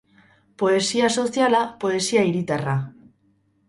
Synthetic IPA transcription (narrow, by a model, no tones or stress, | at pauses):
po̞e̞siaso̞sjalapo̞e̞siaiɾit̪ara